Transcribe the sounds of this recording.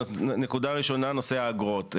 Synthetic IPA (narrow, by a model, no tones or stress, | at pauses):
nekud̪aʁiʃo̞nano̞seaːɡʁot̪